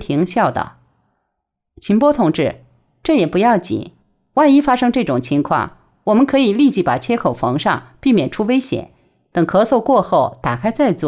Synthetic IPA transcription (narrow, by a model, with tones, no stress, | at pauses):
t̪ʰi˧˥ŋɕjɑ˥˩ʊd̪ə̰˩ | t͡ɕʰi˧˥npwɔ˥t̪ʰʊ˨˩ŋʈ͡ʂɻ̩˥˩ | ʈ͡ʂɤ˥˩jɛ˨˩pu˧˥jɑ˥˩ʊt͡ɕḭ˨˩˦ | wa˥˩ɪi˥fa˥ʂɤ˥ŋʈ͡ʂɤ˥˩ʈ͡ʂʊ˨˩ŋt͡ɕʰi˧˥ŋkʰwɑ̰˥˩ŋ | wɔ˨˩mə˧˦nkʰɤ˧˥i˨˩li˥˧t͡ɕi˥˩pa̰˨˩t͡ɕʰjɛ˥kʰo˨˩ʊfɑ˧˥ŋʂɑ̰˥˧ŋpi˥˩mjɛ˨˩nʈ͡ʂʰu˥we˥ɪɕjɛ̰˨˩˦n | t̪ɤ˨˩ŋkʰɤ˧˥so˥˧ʊkwɔ˥˧xo˥˩ʊt̪a˨˩kʰa˥ɪt͡sa˥˧ɪt͡swɔ̰˥˩